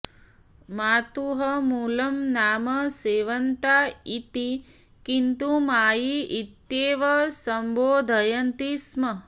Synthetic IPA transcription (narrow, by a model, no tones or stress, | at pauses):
maːt̪uɦɐmuːlɐmnaːmɐseːʋɐnt̪aːit̪i | kint̪umaːjiit̪ːjeːʋɐsɐmboːd̪ʱɐjɐnt̪ismɐ